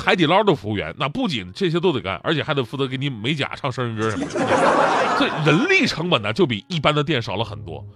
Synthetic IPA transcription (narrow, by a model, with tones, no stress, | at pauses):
xa˧˥ɪt̪i˨˩lɑ˥t̪o˥˩fu˧˥ɥɛ̰˧˥nna˥˧pu˥˩t͡ɕḭ˨˩nʈ͡ʂɤ˥˩ɕ̬jɛ˥t̪̬o˥ʊt̪e˨˩ɪka̰˨˩ʔə̰˞˧˥t͡ɕʰjɛ˨˩xa˧˥ɪ˧˩fu˧˥˩t͡sɤ˧˥kni˧˥me˧˥ɪt͡ɕja̰˨˩ʂʰɑ˥˧ŋʂə˥ɻə˧˥nkə˥ʂə˧˥mə˧˩˥sɔ˧˥i˨˩ɻə˧˥nli˥˩ʈ͡ʂʰɤ˧˥ŋpə˨˩nd̪ə˦t͡ɕjo˥˩ʊpi˨˩i˥˩pa˥nd̪ə˨t̪jɛ˥˩nʂɑ˨˩ʊlə˦xə̰˨˩nt̪wɔ̰˥